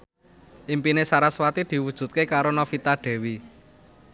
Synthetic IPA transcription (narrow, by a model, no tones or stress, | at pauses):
ʔimpinesaɾaswat̪id̪̥i̤wud̥ʒ̥ṳt̪̚kekaɾonɔfit̪aɖ̪̥ɛ̤wi